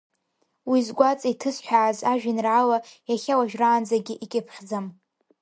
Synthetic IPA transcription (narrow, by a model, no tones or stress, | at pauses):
wizɡʷat͡sʼitʰɨsħʷᶣaʕːzaʒᶣɪnrʕalajaχʲawaʒᶣraːnd͡zaɡʲiʔikʲʼɪpʰχʲd͡zam